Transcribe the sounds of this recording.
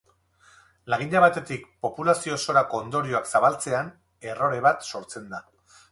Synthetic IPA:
laɣ̞iɲʎaβ̞at̪e̞t̪ik̚po̞pulasio̞so̞ɾako̞ːnd̪o̞ɾio̞aksaβalt͡se̞an | e̞ro̞ɾe̞βat̪so̞ɾt͡se̞nd̪a

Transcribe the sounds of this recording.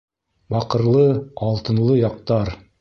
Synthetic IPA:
bɑqɤ̆ɾlˠɤɑlˠt̪ɤ̆nlˠɤjɑq̚t̪ɑɾ

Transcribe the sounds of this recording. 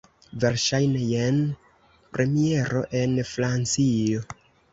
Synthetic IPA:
ve̞ɾʃajnejen | pɾʔe̞mie̞ɾo̞̰ʔe̞nfɾant͡sio̞

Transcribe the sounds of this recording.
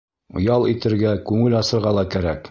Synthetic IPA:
ŏ̰jɑlˠit̪ɘ̆ɾɡækʉŋɘlɑsɤ̆ɾʁɑlˠɑkæɾæk

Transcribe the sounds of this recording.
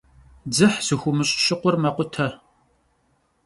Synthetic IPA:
d͡zɨħzɨxʷʊmɨɕʼɕɪqʷʊrmɐqʷʊtʰɐ

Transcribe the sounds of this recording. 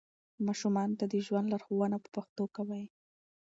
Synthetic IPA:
mɑʃumɑnot̪ad̪əʒwand̪laɾxowanapə̥paxt̪okawaj

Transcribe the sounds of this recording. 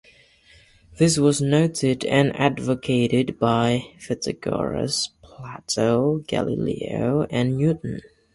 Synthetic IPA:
ðɪs̬wʌznoʊɾɪdɨ̰̃nædvɨkʰeɪɾɪdbaɪfɨtɨɡ̥ɑ̰ɹɨ̰spʰl̥ætoʊɡ̥æ̰lˠḭlḭoʊʔɨ̃nnjʉʔn̩

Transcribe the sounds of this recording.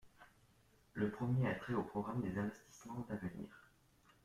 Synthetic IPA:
ləpχəmjeɛt̪χeopχɔɡʁamd̪ezɛ̃vɛst̪i̥smɑ̃d̪avənḭːʁ

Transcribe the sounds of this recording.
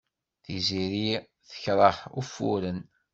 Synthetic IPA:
θiziɾi | θə̥çɾˤəħufṵɾən

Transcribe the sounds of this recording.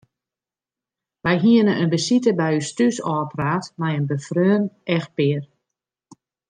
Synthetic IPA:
ʋɛjɦiənənʔənbəsitəbɛjystysɔːpraːtmɛjənbəfrøːnɛx̚pɪər

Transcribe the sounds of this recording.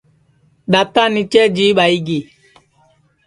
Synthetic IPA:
ɗatanit͡ʃɛd͡ʒiɓaiɡi

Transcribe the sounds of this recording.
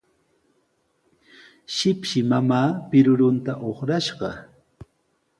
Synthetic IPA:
ʃɪpʃɪmamaːpɪɾʊɾʊnt̪aʔoχɾaʃɢɑ̰

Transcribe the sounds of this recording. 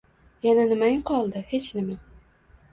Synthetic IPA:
jananɪmaŋqʰɒlˠd̪ɪhe̞t͡ʃnɪma

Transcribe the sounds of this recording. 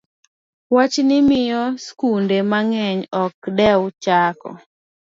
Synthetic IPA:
wat͡ʃnɪmɪjɔskundemaŋɛɲɔk̚dɛwt͡ʃakɔ̰

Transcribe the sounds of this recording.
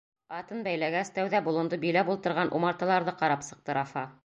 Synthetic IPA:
ɑt̪ɤnbæjlæɡæst̪æwðæbulˠɤ̆nd̪ɤbilæbulˠt̪ɤ̆ɾʁɑnʔumɑɾt̪ɤ̆lˠɑɾðɤqɑɾɑpsɤ̆q̚t̪ɤ̆ɾɑfɑ

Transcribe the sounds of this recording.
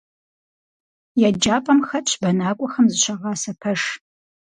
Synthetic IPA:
jad͡ʒaːpʼɐmxɐt͡ʃʰbɐnaːkʷʼɔxɐmzɨɕʷʰɐʁɑːsɐpʰɐʂ

